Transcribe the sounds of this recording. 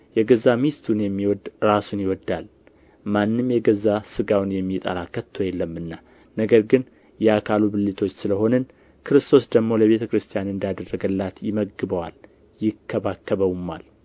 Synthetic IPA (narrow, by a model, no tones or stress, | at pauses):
jɛɡəzːamist̪ʰunjɛmːiwɔd̪ɾasunjɪwɔd̪ːal | manːɨmjɛɡəzːasɨɡawnjɛmːit̪ʼa̰lakət̪ʰːo̞jɛlːəmːɨnːa | nəɡəɾɡɨn | jɛakʰalubɨlːit̪ʰo̞t͡ʃːsɨləɦo̞nən | kʰɨɾɨst̪ʰo̞sd̪əɡmo̞ləβe̞t̪ʰəkɨɾɨst̪ʰijanɨnd̪jad̪ərːəɡəlːat̪jɪməɡːɨbəwal | jɪkʰːəβakːəβəwma̰l